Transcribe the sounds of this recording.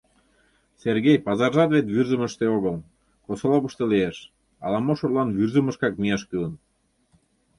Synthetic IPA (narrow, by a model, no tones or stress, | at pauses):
serɣejpɑzɑrʒɑt̪βet̪βyrzə̆mə̆ʃt̪eoɣəl | kosŏlˠopuʃt̪elieʃ | ɑ̰lˠɑmoʃurlˠɑnβyrzə̆məʃkɑkmiɑʃkylən